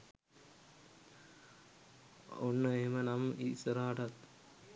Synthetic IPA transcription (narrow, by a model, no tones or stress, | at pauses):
onːəemənamisəɾaːʈat̪